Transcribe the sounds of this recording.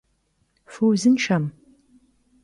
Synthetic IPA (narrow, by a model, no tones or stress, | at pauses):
fuwzɨnʃɐm